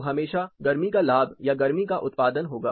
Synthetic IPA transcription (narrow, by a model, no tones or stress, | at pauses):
ɦɐmeːʃaɡɐɾmikalaːbjaɡɐɾmikaʔʊt̪paːd̪ənɦoːɡaː